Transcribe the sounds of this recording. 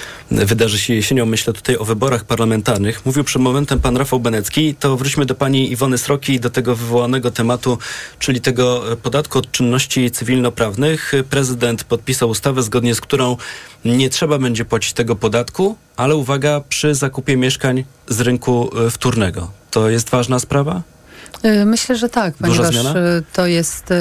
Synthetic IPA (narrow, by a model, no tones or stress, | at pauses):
vɘd̪aʐɘɕɛjɛɕeɲɔ̃wːɘɕlɛt̪u̥t̪ajɔvɘbɔɾaxpaɾlamɛnt̪aɾnɘxmuvʲiwpʂɛd̪mɔmɛnt̪ɛmpanɾafawbɛnɛt̪skʲit̪ɔvɾut͡ɕmɘd̪ɔpaɲiivɔnɘsɾɔkʲid̪ɔt̪ɛɡɔvɘvɔwanɛɡɔt̪ɛmat̪ut͡ʂɘlʲit̪ɛɡɔpɔd̪at̪kuɔt̪̚t͡ʂɘnːɔɕt͡ɕit̪sɘvʲilnɔpɾavnɘxpɾɛzɘd̪ɛnt̪pɔt̪̚pʲisawust̪avɛzɡɔd̪ɲɛskt̪uɾɔ̃w̃ɲɛtʂɛbabɛɲd͡ʑɛpwat͡ɕi̥t͡ɕt̪ɛɡɔpɔd̪at̪ku | alɛuvaɡapʂɘzakupʲjɛmʲjɛʂkaɲ | zɾɘŋkuft̪uɾnɛɡɔ̰t̪ɔjɛst̪vaʐnaspɾava | mɘɕlɛʐɛt̪ak̚pdɔɲuʐaɛvzamjaat̪ɔjɛst̪